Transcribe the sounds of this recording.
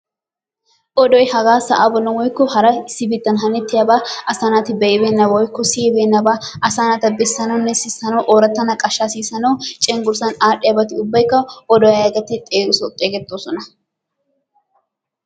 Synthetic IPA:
ʔɔd̪ɔjhɐɡaːsɐʔaːbɔlːɐwɔjkːʊhɐɾɐɪsːɪbit̪ːɐnɦɐnɪt̪ːɪjɐbaːʔɐsaːnaːt̪ɪbɛʔɛbeːnːɐbɐwɔjkːʊsiːbeːnːɐbaːɐsaːnat̪ɐbɛsːɐnɐwnːɛsɪsɐnɐwʔoːɾɐt̪ːɐnɐkʼɐʃːaːsiːsɐnɐwt͡ʃʼɛŋɡʊɾsɐnaːɗɪjɐbɐt̪ɪʊbːɐjkːɐʔɔd̪ɔjɐɐɡɐt̪ːɪt̪ʼeːɡʊsɔt̪ʼeːɡɛt̪ːoːsɔnɐ

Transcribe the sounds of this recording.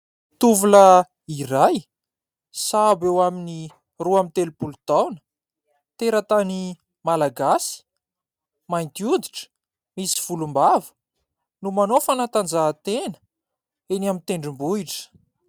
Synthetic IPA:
t̪uvulə | iraj | sabewamini | ruamint̪elupulut̪awnə̥ | t̪eɾət̪ani | malaɡasi̥ | majnt̪iud̪iʈ͡ʂə̥ | misi̥v̥ulumbavə̥ | numanofanat̪and͡zaːt̪enə̥ | eniamint̪eɳɖ͡ʐimbuiʈ͡ʂə̥

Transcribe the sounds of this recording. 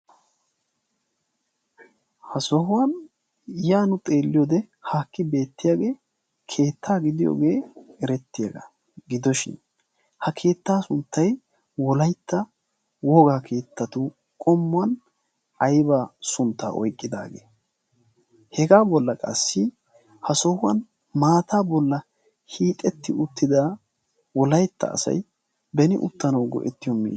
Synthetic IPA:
hɐsɔhʊwɐn | jaːnʊt̪ʼe̞ːlːɪjɔd̪ɛ | haːkːɪbe̞ːt̪ːɪjaːɡe̞ː | kʰe̞ːt̪ʰːaːɡɪd̪ɪjo̰ːɡe̞ːɛɾɛt̪ːɪjaɡɐ̰ | ɡɪd̪ɔʃɪ̰n | hɐkʰe̞ːt̪ːaːsʊnt̪ːɐj | wɔlɐjt̪ːɐ | woːɡaːkʰe̞ːt̪ːɐt̪ʊ | kʼɔmːʊɐn | ɐjbasʊnt̪ːa̰ːʔɔjkʼːɪd̪a̰ːɡḛː | hɛɡaːbɔlːɐkʼɐ̰sːɪ | hɐsɔhʊɐn | maːt̪aːbɔlːɐ | hiːt̪ʼːɛt̪ːɪʊt̪ːɪd̪a | wɔlɐjt̪ːɐ̰ːsɐ̰j | bɛnɪʔʊ̰t̪ːɐnɐwɡɔ̰ʔɛt̪ːɪjɔmḭː

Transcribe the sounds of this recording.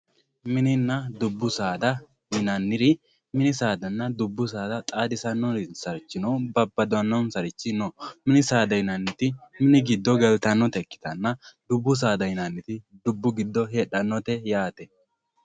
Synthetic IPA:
mɪnɪnːɐd̪ʊbːʊsaːd̪ɐ | hɪnɐnːɪɾɪ | mɪnɪsaːd̪ɐnːɐd̪ʊbːʊsaːd̪ɐt̪ʼaːd̪ɪsɐnːɔɾɪsɐɾt͡ʃːɪnɔwbɐbːɐd̪ɔɐnːɔnsɐɾɪt͡ʃːɪnɔmɪnɪsaːd̪ɐhɪnɐnːɪt̪ɪmɪnɪɡɪd̪ːɔɡɛlt̪ɐnːɔt̪ɛkːɪ̥t̪ɐnːɐd̪ʊbːʊs̬aːd̪ɐhɪnɐnːɪt̪ɪd̪ʊbːʊɡɪd̪ːɔɦeːɗɐnːɔt̪ɛjaːt̪ɛ

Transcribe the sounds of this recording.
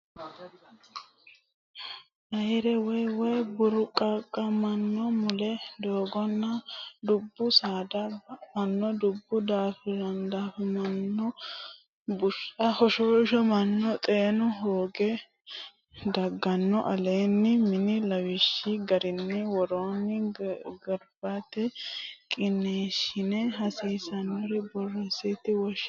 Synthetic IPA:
ʔɐjɾɛwɛjwɛjbʊɾʊkʼːɐkʼːɐmɐnːɔmʊlɛd̪o̞ːɡɔnːɐd̪ʊbːʊsaːd̪ɐbmɐnːɔd̪ʊbːʊd̪aːfɪɾɐnd̪aːfɛmɐnːɔ | bʊɾɐhɔʃoʃɔmɐnːɔt̪ʼeːnʊɦoːɡɛ | d̪ɐɡːɐnːɔʔɐleːnːɪmɪnɪlɐwɪʃːɪɡɐɾɪnːɪwɔɾoːnːɪɡɐɾbɐt̪ɛkʼɪnːeːʃɪnɛɦɐsiːsɐnːɔɾɛbɔrːɛsɪt̪ɪwɔʃ

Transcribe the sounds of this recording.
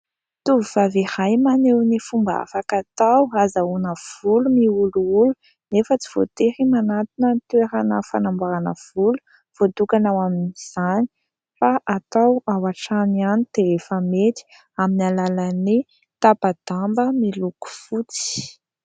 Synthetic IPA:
t̪uvivavehajmanewnifumba̰fakat̪awazaunəv̥ulumiuluulu̥ | nefət͡si̥v̥o̰t̪eɾimanat̪inənt̪eɾanəfanambaɾanə̰v̥ulu̥ | v̥od̪ukanawaminiz̥ani̥ | faʔat̪awawaʈ͡ʂanianit̪eefəmet̪i̥ | aminalalani | t̪apad̪̥ambəmiluku̥fut͡si̥

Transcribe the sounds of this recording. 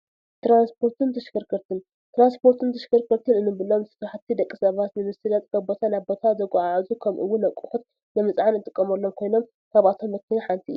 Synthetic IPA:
t̪ɾanspʰo̞ɾt̪ʰɨnt̪ʰɐʃkɨɾkʰɨɾt̪ʰɨn | t̪ɾanspʰo̞ɾt̪ʰɨnt̪ʰɐʃkɨɾkʰɨɾt̪ʰɨnɨnɨbɨlomsʰɨ̥t̪aħat̪ʰːid̪ɐkʼːisɐβat̪nɨmɨsɨlɐt̪ʼkɐbo̞t̪ʰanaβbo̞t̪ʰazɐkʼuʕaʕazukʰɐmʔɨ̰wːʊnɐkʼuxut̪̚ | nɐmɨt͡sʼʕanɨt̪ʼɨkʼːɐmɐlːo̞mkʰo̞jno̞m | kʰaβat̪ʰo̞mɐkʰːɨniħant̪ʰiʔɨ̰ju

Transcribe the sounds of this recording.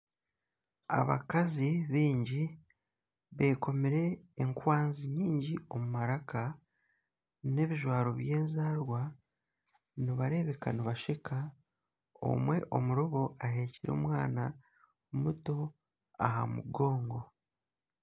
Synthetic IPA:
a̰βa̰kaziβiːɲɟi | βe̞ːko̞miɾe̞ːŋkwaːnziɲiːɲɟio̞mumaɾaka | ne̞βiʒwaːɾo̞βje̞ːnzaːɾwa | niβaɾe̞βe̞kaniβaʃekʰa | o̞̰mwe̞ʔo̞̰muɾoβo̞aɦe̞ciɾo̞̰ːmwaːna | muto̞ | a̰ha̰muɡo̞ːŋɡo̞

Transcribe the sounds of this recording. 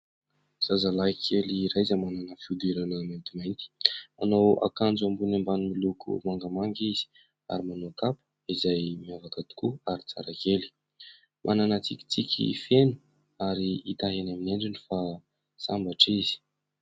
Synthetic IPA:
z̥azalaikʰeliɾajzamananəfiud̪eɾanament̪imajnt̪i̥a̰nowa̰kand͡zuambunambanimilukʰṵmaŋɡamaŋɡiz̥i̥ | a̰ɾimanokapə̥ | izajmiavakət̪u̥kuaɾit͡sa̰ɾakeli̥ | mʔananat͡sikʲi̥t͡sikʲʰḭfenu̥ | aɾiːt̪aɦenaminaɳɖ͡ʐinifa | sambaʈ͡ʂizi̥

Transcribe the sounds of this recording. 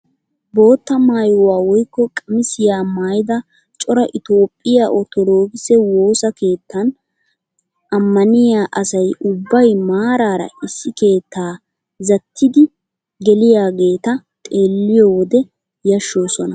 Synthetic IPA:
bo̞ːt̪ːɐmaːjwaːwɔjkːɔkʼɐmɪsɪjaːmaːjɪd̪ɐ | t͡ʃʼɔɾɐʔɪt̪o̞ːpʼːɪjaʔɔt̪ɔd̪o̞ːɡɪsɛwo̞ːsɐke̞ːt̪ʰːɐn | ʔɐmːɐnɪjaːʔɐsɐjʊbːɐjmaːɾaːɾɐ̰ɪsːɪke̞ːt̪ːaː | zɐt̪ʰːɪd̪ɪ | ɡɛlɪjaːɡe̞ːt̪ɐ | t̪ʼe̞ːlːɪjɔwɔd̪ɛ | jɐʃːo̞ːsɔnɐ

